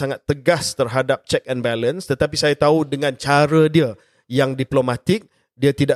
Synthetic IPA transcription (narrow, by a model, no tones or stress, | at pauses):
aŋat̪ːəɡast̪ərɦadap̚t͡ʃɛk̚ɛnbɛlənst̪ət̪apisajat̪audəŋãnt͡ʃaɾədiə | jaŋdiplomãt̪ɪk̚ | diat̪ida